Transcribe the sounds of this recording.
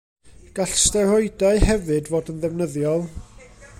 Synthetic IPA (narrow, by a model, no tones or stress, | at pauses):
ɡ̥aɬstɛrɔɨdaɨhɛvɨdvoːdənðɛvnəðjɔlˠ